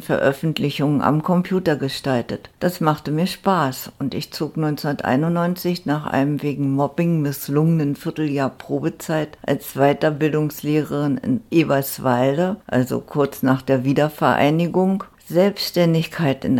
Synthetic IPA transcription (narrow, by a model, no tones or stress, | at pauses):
fɛɐʔœfn̩tlɪçʊŋəʔa̰mkʰɔmpʰj̥uːtɐɡəʃtaltətd̥asmaχtəmiːɐʃpaːsʊntɪçt͡soːknɔʏnsunɐtʔa̰ɪnʊnnːɔʏnt͡sɪçnaːχʔa̰ɪnəmveːɡŋ̩mɔpɪŋmɪslʊŋənənfɪɐtl̩jaːɐpʁ̥oːbət͡saɪtʔa̰lsv̥aɪtɐbɪldʊŋsleːʁəʁɪnɪ̰nʔeːvasv̥aɪldəʔa̰lzo̰kʰʊɐt͡snaːχd̥eːɐviːdɐfɛɐʔa̰ɪnɪɡʊŋ | zɛlpsʃtɛndɪçkʰaɪtɪ̰n